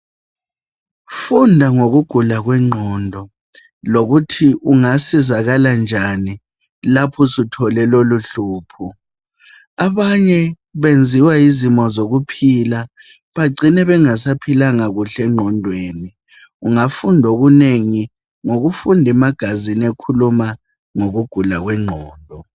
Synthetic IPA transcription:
fundʱaŋoɣuɡ̥ʱulaɣwɛŋ͡ǃʱɔndʱɔ | loɣutʰiʔuŋasizaɣaland͡ʒʱani | lapʰɔsutʰɔlɛloluɬuːpʰu | aβaɲɛ | βend͡zʱiwaizimɔzoɣupʰila | βaɡ͡ǀʱinɛβɛŋasapʰilaŋaɣuɬɛŋ͡ǃʱɔndʱweːni | uŋafundʱoɣuneŋi | ŋoɣufundʱɛmaɡ̥ʱazinekʰuluma | ŋoɣuɡ̥ʱulaɣwɛŋ͡ǃʱɔːndʱɔ

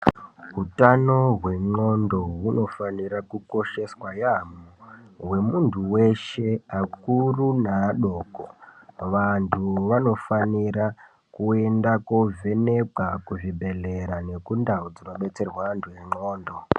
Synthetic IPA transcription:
ɦutano̞ɦwe̞ŋ͡ǃo̞ndo̞ɦuno̞faniɾakuko̞ʃe̞swajamo | ɦwe̞muntʰuwe̞ʃe̞akurunaɗo̞ːko̰ʋantʰuʋano̞faniɾa | kue̞ndako̞ve̞ne̞kwakuʐibʱe̞ɮeɾane̞kundaud͡zinoɓe̞t͡se̞rwantʰujeŋ͡ǃoːndo̞

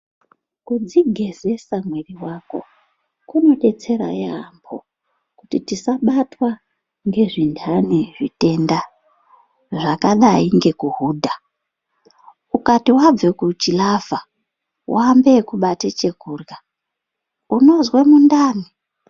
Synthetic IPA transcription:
kud͡ziɡʱe̞ze̞samweriwako̞̰ | kuno̞ɗe̞t͡se̞ɾa̰jambʰo̞̰ | kutitisaɓatwa | ŋɡe̞ʐindʰʱaneʐite̞nda | ʐakaɗaiŋɡe̞kuɦuːdʱa | ukatiwab͡ve̞kut͡ʃilava | wʔambe̞kuɓatet͡ʃe̞kuːrɡa | uno̞zwe̞mundaːni

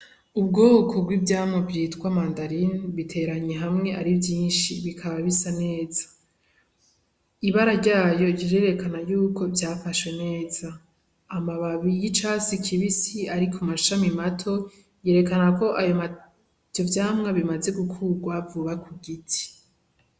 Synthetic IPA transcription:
ubɡoːkʰob̚ɡwivjaːmŋabjiːtkwamaːndaɾinβitʰe̞ɾaɲeɦamŋe̞ʔaɾivjiːnʃiβikʰaβaβisane̞ːzḁ | iβaɾaɾɟaːjo̞ɟiɾeɾe̞kanajuːkʰo̞vjaːfaʃwe̞ne̞ːz̥aː | maβaβijit͡ʃasikʰiβisiaɾikʰumaʃamimatʰo̞ | je̞ːɾe̞kanako̞ʔajoma | ovjaːmŋaβimaze̞ɡukʰuɡwavuβakʰuɡitʰi̥

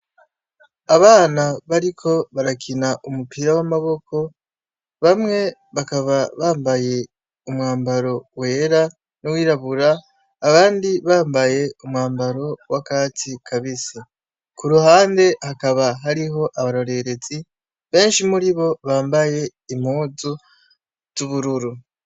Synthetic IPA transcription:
aβaːnaβaɾikʰo̞βaɾakʰinaʔumupʰiɾawamaβo̞kʰo̞ | βamŋe̞βakaβaβaːmbaje̞ | umŋaːmbaɾo̞we̞ːɾa | nuwiːɾaβuɾaː | βaːndiβaːmbaje̞umŋaːmbaɾo̞wakaːtikʰaβisa | kuɾuhaːnde̞hakaβaɦaɾiɦo̞ʔaβaɾo̞ɾe̞ɾe̞zi | βe̞ːnʃimuɾiβo̞βaːmbaje̞ | im̥huːzu | z̥uβuɾuɾu

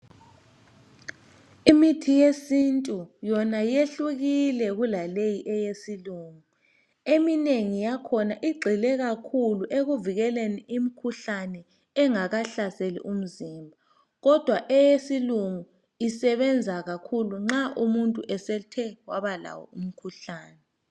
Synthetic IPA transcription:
imitʰijesintʼujɔnajeɬuɣilɛɣulalejiʔɛjesiluŋu | emineŋijakʰɔnaʔiɡ͡ǃʱilɛɣakʰuluʔeɣuviɣɛleniʔimikʰuɬanɛ | ɛŋaɣaɬaselḭʔum̩zimbʱa | ɣɔd̥ʱwaʔɛjesiluŋu | isɛβɛnd͡zʱaɣakʰuluŋ͡ǁaʔumuntʼuʔɛsɛtʰɛwaβala̰wɔ̰um̩kʰuɬaːnɛ

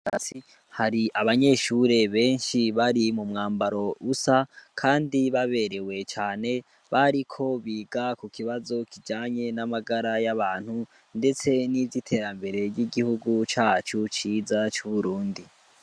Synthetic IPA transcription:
asi | haɾiʔaβaɲe̞ʃuɾe̞βe̞ːnʃiβaɾimumŋaːmbaɾo̞usakʰaːndiβaβe̞ɾe̞we̞t͡ʃaːne̞ | βaɾikʰo̞βiːɡakukʰiβazo̞kʰid͡ʒaːɲe̞namaɡaɾajaβaːn̥hu | nde̞t͡se̞nivitʰe̞ːɾambe̞ɾe̞ɟiɡihuɡut͡ʃaːt͡ʃut͡ʃiːzat͡ʃuβuɾuːndi

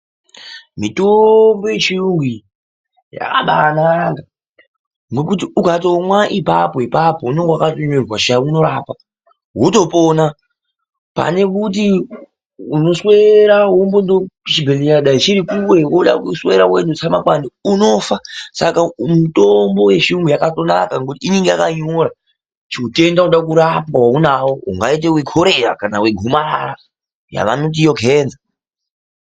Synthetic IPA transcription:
mitombojet͡ʃiruŋɡi | ja̰ka̰ɓanaŋɡa | ŋɡe̞k̬utiukatomwaʔipa̰po̞ipapouneŋɡwakatoɲerwaʃauno̞ɾaːpa | ɦoto̞pona | pa̰ne̞kut̬i | uno̞sweɾawombondot͡ʃibʱelijaɗait͡ʃiɾikuwe̞woɗa̰kuswe̞ɾawenot͡samakwaniuno̞fasakamutombo̞we̞ʐumɡujakato̞na̰kaŋkutiiniŋɡejakaɲoɾa | t͡ʃiute̞ndauɗak̬uɾapawaunawoṵŋɡait̬eweɡʱoɾera̰kanaweɡʱumaara | ja̰ʋa̰not̬ijoɡʱeːnd͡za

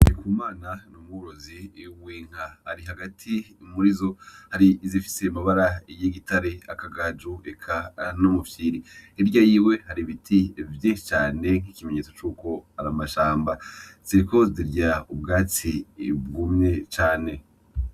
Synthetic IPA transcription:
ikuːmaːnanomuɡoɾoziwiːŋ̥hahaɾiɦaɡatʰi | muɾizo̞haɾizifi̥se̞maβaɾaijiɡitaɾe̞a̰kaɡad͡ʒuekʰanomufjiɾiiɾɟajiːwe̞haɾiβitʰivjiʃit͡ʃaːne̞ŋ̥hikimeɲet͡so̥t͡ʃuːko̞aɾamaʃaːmbaziko̞ziɾɟaubɡaːt͡sibɡumɲet͡ʃaːne̞

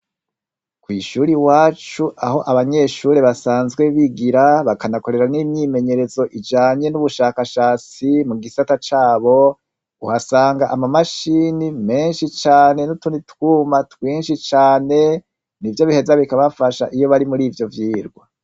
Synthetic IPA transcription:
kwiːʃuːɾiwaːt͡ʃuaɦo̞ʔaβaɲe̞ʃuːɾe̞βasaːnzɡwe̞βiɡiɾaβakanako̞ɾe̞ɾanimɲiːme̞ɲe̞ɾe̞zo̞ʔid͡ʒaːɲe̞nuβuʃaːkaʃaːt͡simuɡisatat͡ʃaːβo̞ | uhasaːŋɡaʔamamaʃiːnime̞ːnʃit͡ʃaːne̞nutunitwuːmatwiːnʃit͡ʃaːne̞ | nivjo̞βihe̞zaβikaβafaʃaʔijo̞βaɾimuɾiːvjo̞vjiːɾɡwa

